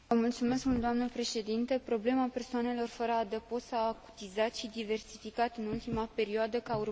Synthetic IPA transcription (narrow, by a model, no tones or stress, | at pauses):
əmult̪sume̞skmuld̪oamnəpɾe̞ʃe̞d̪int̪epɾo̞ble̞mape̞rsoane̞lo̞rfəɾəad̪əpo̞saːku̥t̪izat̪ʃid̪ive̞rsifikat̪ɨnult̪imape̞ɾioad̪əkaur